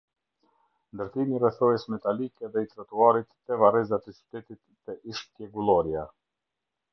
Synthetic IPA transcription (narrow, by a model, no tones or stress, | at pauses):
nd̪əɾt̪imirɛθɔjɛsmɛt̪alikɛðɛit̪ɾat̪uaɾit̪ːɛvarɛzat̪ɛt͡ʃy̥t̪ɛt̪it̪ːɛʔiʃt̪jɛɡulˠɔɾja